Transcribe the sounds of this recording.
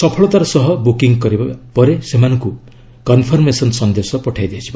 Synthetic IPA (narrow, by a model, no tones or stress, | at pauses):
sɔpʰɔɭɔt̪aɾɔsɔɦɔbukiŋɡkɔɾibapɔɾesemanɔŋku | kɔnpʰɔɾmesɔnsɔnd̪esɔpɔʈʰajd̪iat͡ʃʰib